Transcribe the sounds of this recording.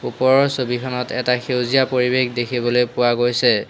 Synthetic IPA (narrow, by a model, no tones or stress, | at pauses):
upɔɹɔɹsobikʰɔnɔtɛtaxewzijapoɹibexdekʰibɔlojpʊwaɡojsɛ